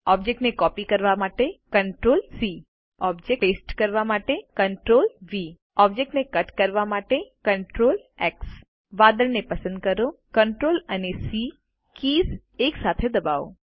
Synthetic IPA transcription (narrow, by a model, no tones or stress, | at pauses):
ɔb̚d͡ʒek̚ʈnekɔpikəɾʋamaʈekəɳʈɾolsi | ɔbd͡ʒekesʈkəɾʋamaʈekəɳʈɾolʋi | ɔb̚d͡ʒek̚ʈnekəʈkəɾʋamaʈekəɳʈɾoleks | ʋad̪əɾnepəsənd̪̚kəɾokəɳʈɾolənesi | kiːzeksat̪ʰed̪əbao̰